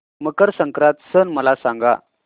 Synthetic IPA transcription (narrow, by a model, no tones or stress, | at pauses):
məkəɾsəŋkɾãt̪sənməlasãŋɡa̰